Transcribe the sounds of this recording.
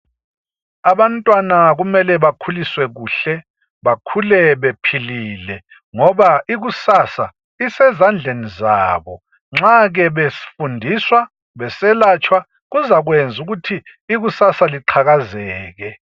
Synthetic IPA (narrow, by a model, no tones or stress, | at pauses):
aβantʼwanaɣumɛlɛβakʰuliswɛɣuːɬɛ | βakʰulɛβepʰiliːlɛ | ŋɔβaʔiɣusasa | isɛzand͡ɮʱeniza̰ːβɔ | ŋ͡ǁaɣɛβesi̥fundʱiswa | βɛsɛlat͡ʃʰʼwa | ɣuzaɣwend͡zʱuɣutʰiːɣusasaliǃʰaɣazɛːɣɛ